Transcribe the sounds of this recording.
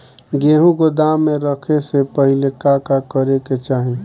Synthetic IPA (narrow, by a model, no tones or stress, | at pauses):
ɡeːɦũkod̪amːeɾəkʰesepəɦilekakakəɾeket͡ʃaːɦi